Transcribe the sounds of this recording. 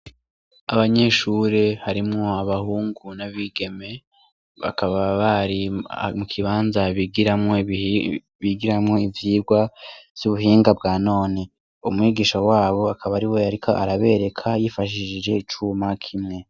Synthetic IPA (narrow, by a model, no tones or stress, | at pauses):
aβaɲe̞ːʃuːɾe̞haɾimŋo̞aβahuːŋɡunaβiɡe̞me̞ | βa̰kaβaβaɾimukʰiβaːnzaβiɡiɾamŋo̞ | βiɡiɾamŋo̞ivjiːɡwav̥j̥uβuɦiːŋɡab̚ɡaːno̞ːne | umŋiːɡiʃowaːβo̞akʰaβaɾiwe̞aɾikʰo̞ʔaɾaβe̞ɾe̞kʰajifaʃiʃid͡ʒe̞it͡ʃuːmakʰimŋe̞